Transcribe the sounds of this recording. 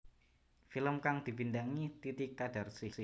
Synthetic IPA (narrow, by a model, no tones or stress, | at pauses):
filəmkaŋd̪̥i̤pindaŋit̪it̪ikːad̥a̤rsisi